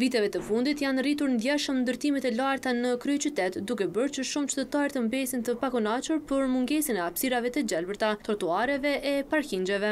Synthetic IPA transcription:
vit̪ɛvɛt̪əfund̪it̪janrit̪uɾnd̪jɛʃəmnd̪əɾt̪imɛt̪ɛlaɾt̪anəkɾyt͡ʃyt̪ɛt̪d̪ukɛbəɾt͡ʃəʃumt͡ʃt̪ət̪aɾt̪əmbɛsint̪əpakɔnat͡ʃuɾpəɾmuŋɡɛsinɛapsiɾavɛt̪əd͡ʑɛlbəɾt̪at̪ɔɾt̪uaɾɛvɛʔɛpaɾkiɲd͡ʒɛvɛ

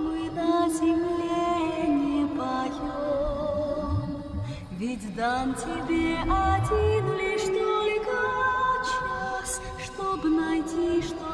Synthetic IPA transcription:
mɨnɐzʲɪmlʲenʲɛpajɔ | m | vʲidʲd̪antʲɪbʲeʔadʲinlʲiʂt̪olʲkat͡ʃasʲ | ʂt̪ɔbɨnajtʲiʂt̪

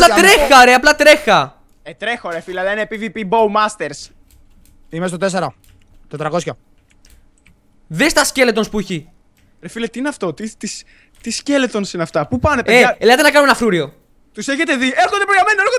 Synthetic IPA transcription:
plɐt̪ɾexɐoɾeɐplɐt̪ɾe̞xɐ | et̪ɾexoɾefileɐlɐinepivipibowmɐst̪eɾs | imes̬t̪ot̪eseɾo | t̪ot̪ɾɐko̞sço | ðest̪ɐsce̞let̪o̞nspuçi | ɾefilet̪iineɐft̪o̞t̪it̪is | t̪iscelet̪onsinɐft̪ɐpupɐnepeeɐelɐt̪enɐkɐnumenɐfɾuɾio̞ | t̪useçet̪e̞ðieɾxond̪epɾoɣɾɐmenoeo

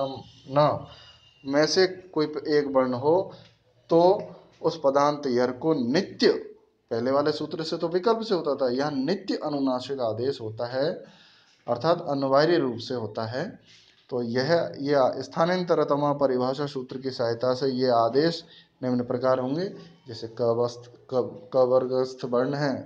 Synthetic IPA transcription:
m | nɐ | mɛ̃ːsekoːieːkbənɦo | t̪oː | ʊspəd̪aːnt̪jəɾkonɪt̪jə | pɛɦleʋaːlesuːt̪ɾset̪oʋɪkəlpseɦoːt̪at̪ʰaɦjɐɦnɪt̪jəʔɐnʊnaːʃɪkaːd̪eːʃɦoːt̪aɦɛ | ɐ̰ɾt̪ʰaːt̪ɐnʊʋaːɾiɾuːpseɦoːt̪aɦɛ | t̪oːjɛɦjeɪst̪ʰaːnijə̃nt̪əɾəɦt̪ɐmãːpɐɾɪbʱaːʃasuːt̪ɾəkisaɦɪt̪asejeaːd̪eːʃ | nɪmnəpɾɐkaːɾɦõːŋɡed͡ʒɛːsekst̪kəʋəɾɡəst̪ʰbɐɾɳɦɛ̃ː

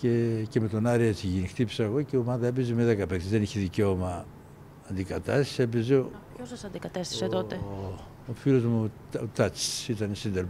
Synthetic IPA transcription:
cece̞me̞t̪o̞nɐɾiet͡siʝinixt̪ipi̥sɐːɣo̞ceomɐðɐep̬izimeðekɐpekt̪izðe̞niçeðiceomɐː | nd̪ikɐt̪ɐsi̥sepizeoosɐsɐnd̪ikɐt̪est̪i̥set̪ot̪e | ofilozmu | ot̪ɐt͡si̥sit̪ɐnesind̪eɾ

